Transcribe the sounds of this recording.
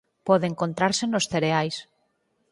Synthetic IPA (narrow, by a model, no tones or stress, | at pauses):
poðeŋkont̪ɾaɾsenosθeɾeajs